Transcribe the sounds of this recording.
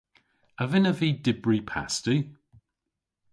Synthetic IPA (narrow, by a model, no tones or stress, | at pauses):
əvɪnəviːdɪbɹipʰa̰stʉ